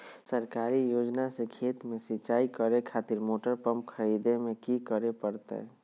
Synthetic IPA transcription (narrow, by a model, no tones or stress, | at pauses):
səɾkaːɾijoːd͡ʒnasekʰeːt̪mẽsɪt͡ʃaːikəɾekʰaːt̪iɾmoːʈəɾpəmp̚kʰəɾid̪emẽkikəɾepəɾt̪ḛ